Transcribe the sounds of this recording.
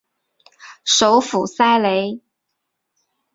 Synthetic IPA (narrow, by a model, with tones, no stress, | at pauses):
ʂo˧˥ʊfu˨˩sa˥ɪle˧˥ɪ